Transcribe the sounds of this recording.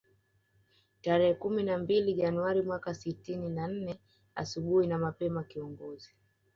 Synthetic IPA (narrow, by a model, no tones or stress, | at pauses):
taɾɛhɛkuminambiliʄanuaɾimwakasitininan̩nɛ | a̰suɓuhinamapɛmakiɔŋɡɔzi